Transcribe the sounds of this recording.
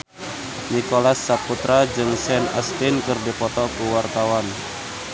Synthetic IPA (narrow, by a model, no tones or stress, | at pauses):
nikolasːaput̪ɾad͡ʒɨŋsɛna̰st̪inkɨrdipɔt̪ɔkuwart̪awan